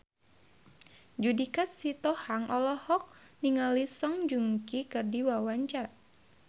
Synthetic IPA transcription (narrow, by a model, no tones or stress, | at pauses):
d͡ʒudikat̪̚sit̪ɔhaŋʔɔlɔhɔk̚ | niŋalisɔŋd͡ʒuŋkikɨrdiwawaɲt͡ʃar